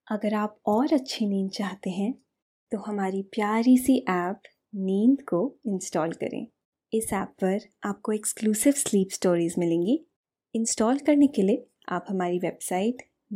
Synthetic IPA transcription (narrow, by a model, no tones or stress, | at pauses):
ɐɡəɾaːpɔːɾɐtːʃʰiniːnd̪̚t͡ʃaːɦt̪eɦɛ̃ | t̪oɦɐmaːɾipjaːɾisiʔɛːp | niːnd̪koɪ̃nsʈɔːlkɐ̰ɾḛ̃ː | ɪsɛːpːɐɾaːp̚koekskluːsɪʋsliːpsʈoːɾiːzmɪlẽːŋɡi | ɪ̃nsʈɔːlkɐɾnekelie | a̰ːphɐmaːɾiʋebsaːɪʈ